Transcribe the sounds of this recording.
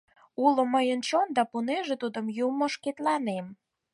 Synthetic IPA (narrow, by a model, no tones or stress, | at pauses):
uloməjənt͡ɕond̪ɑpuneʒet̪ud̪əmjumoʃket̪lɑnem